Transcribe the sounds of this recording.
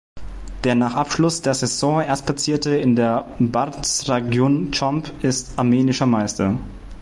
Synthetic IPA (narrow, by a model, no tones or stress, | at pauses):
d̥eːɐnaːχʔapʃlʊsd̥eːɐsɛsɔːeːɐst̚pʰlat͡siːɐtəɪndeːɐbaɐtsʁeɡjoːnt͡ʃɔmpʔɪstʔaɐmeːnɪʃɐmaɪstɐ